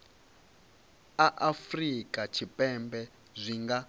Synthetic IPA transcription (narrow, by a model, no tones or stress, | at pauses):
aʔafrikʼat͡ʃʰipʼɛmbɛ | zʷiŋɡa